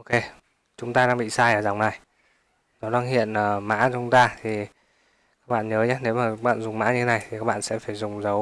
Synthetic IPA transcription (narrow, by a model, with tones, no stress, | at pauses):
ʔʔo˧ke˧ | t͡ɕʊ˨˦ŋ͡mt̪aː˧ɗaː˧ŋɓḭ˧˨saː˧jʔəː˨˩za˨˩ŋ͡mna˨˩j | nɔ˨˦ɗaː˧ŋhḭ˧˨ənʔəː˨˩ma̰ː˧˥˧t͡ɕʊ˨˦ŋ͡mt̪aː˧t̪ʰi˨˩ | kaː˦˥k̚ɓa̰ː˧˨nɲəː˨˦ɲaː˦ne˨˦wmaː˨˩˦ɓa̰ː˧˨nzʊ˨˩ŋ͡mma̰ː˧˥ɲɨ˧t̪ʰe˦na˨˩jt̪ʰi˨˩kaː˦˥k̚ɓa̰ː˧˨sɛ̰˧˥faː˧˩jzʊ˨˩ŋ͡mzə˨˦w